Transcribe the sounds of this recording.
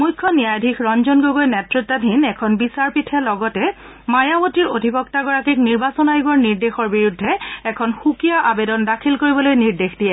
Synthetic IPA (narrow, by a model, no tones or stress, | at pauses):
mujkʰːɔnijajdʱikʰɹɔnzɔnɡoɡojnɛtɹitːadʱinɛkʰɔnbisaɹpitʰɛlɔɡɔtɛ | majawotiɹodʱibɔktaɡɔɹakikniɹbasɔnajɡɔɹniɹdexɔɹbiɹudʱːɛɛkʰɔnxukijaʔabedɔndakʰilkoɹibɔlojniɹdexdijɛ